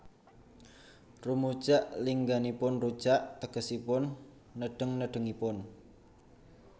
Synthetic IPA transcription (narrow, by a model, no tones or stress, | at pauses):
rumud̥ʒ̥aʔliŋɡanipʊnru̥ʒ̥aʔt̪əɡ̥əsipʊnː | əɖ̥əŋnəɖ̥ə̤ŋipʊn